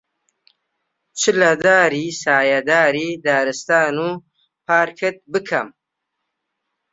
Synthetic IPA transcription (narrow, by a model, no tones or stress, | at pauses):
t͡ʃilad̪aːɾisaːjad̪aːɾid̪aːɾist̪aːnu | pʰaːɾkʰet̪̚bɨkʰa̰m